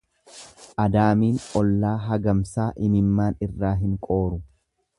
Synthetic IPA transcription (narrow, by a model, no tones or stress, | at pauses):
ʔɐd̪aːmiːnʔɔlːaːɦɐɡɐmsaːʔɪmɪmːaːnɪrːaːɦɪŋkʼo̞ːɾʊ